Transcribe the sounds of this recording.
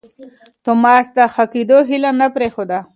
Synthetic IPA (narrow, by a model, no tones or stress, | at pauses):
t̪omɑːsd̪əxakid̪oɦilanapɾexod̪a